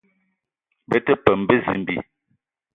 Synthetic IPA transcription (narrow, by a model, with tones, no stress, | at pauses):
bə˦tə˦pə˨m˨bə˦zi˨m˨bḭ˨